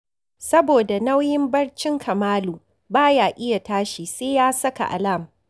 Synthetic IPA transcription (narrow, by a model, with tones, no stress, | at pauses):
sɐ˦boː˨da˨na˦wjɪ˦mbɐ˦ɽt͡ʃɪ˦ŋkʰɐ˨maː˦luː˨ | baː˦jaː˨ʔɪ˦ja˨taː˦ʃiː˨seː˦jaː˦sɐ˦ka̰˨ʔa̰˨la˦˨m